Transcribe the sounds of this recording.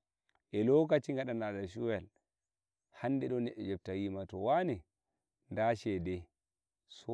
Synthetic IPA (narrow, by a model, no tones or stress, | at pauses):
ʔɛlɔkat͡ʃiŋɡaɗanaɗaʃuwɛl | hanːdɛɗɔnːɛɗːɛd͡ʒɛb̚tawimatɔwanɛ | ndaʃɛdɛ | sɔ